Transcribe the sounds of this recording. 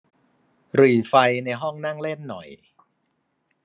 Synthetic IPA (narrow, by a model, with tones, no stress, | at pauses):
ɾɯː˨˩fa˧jna˧jɦɔ˥˩ŋna˥˩ŋle˥˩nːɔ˨˩j